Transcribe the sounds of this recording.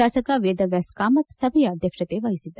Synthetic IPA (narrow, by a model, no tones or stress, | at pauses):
aːsɐkɐʋeːd̪ɐʋjaskaːmɐt̪sɐbʱɐjɐːd̪ʱjɐkʂɐt̪eːʋɐɦisid̪ːɐ